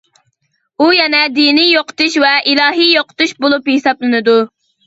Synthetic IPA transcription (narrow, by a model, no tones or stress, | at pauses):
ujɛnɛd̪inijoqʰə̥t̪uʃvɛʔilˠɑːɦijoqʰə̥t̪uʃbolˠuphesɑplˠɨnɨd̪u